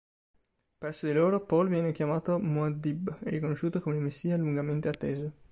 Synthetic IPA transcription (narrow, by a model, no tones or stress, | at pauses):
pɾɛrsod̪iloːɾopɔlvjɛːnekjamaːt̪omoad̪ibɛrikonoʃːuːt̪okomeilmesːiːaluŋɡament̪eat̪ːeːzo